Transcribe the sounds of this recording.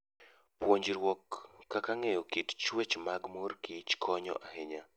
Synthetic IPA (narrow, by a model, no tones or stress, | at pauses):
pwoɲd͡ʒɾwɔkːakaŋejɔkitt͡ʃwet͡ʃmaɡmorkit͡ʃkʰɔɲɔ̰ʔaɦeɲa